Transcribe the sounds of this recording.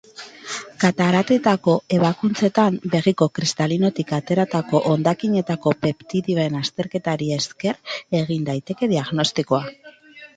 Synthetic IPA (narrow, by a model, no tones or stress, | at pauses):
kat̪aɾat̪e̞t̪ako̞e̞β̞akunt͡se̞t̪ambe̞ɣiko̞kɾist̪alino̞t̪ikat̪e̞ɾat̪ako̞ʔond̪akiɲe̞t̪ako̞pe̞pt̪iɾioe̞nast̪e̞ɾke̞t̪aɾie̞ske̞re̞ɣ̞ind̪ajt̪e̞ke̞ðiaɣno̞st̪iko̞a